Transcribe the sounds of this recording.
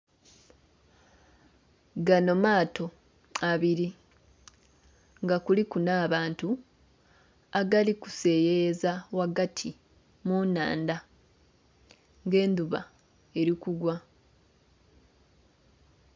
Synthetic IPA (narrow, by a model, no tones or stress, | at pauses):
ɡano̞maːtʰo̞ | aβiɾi | ŋɡakulikunaːβaːntu | aɡaliku̥se̞jezawaɡatʰi | muna̰ːnda | ŋɡe̞ːnduβa̰ | e̞ɾikuɡwa